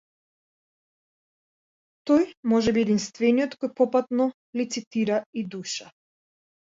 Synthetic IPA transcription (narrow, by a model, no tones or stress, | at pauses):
t̪ɔjmɔʒɛbiɛd̪inst̪vɛnijɔt̪kɔjpɔpat̪nɔ | lit̪sit̪iɾaid̪uʃa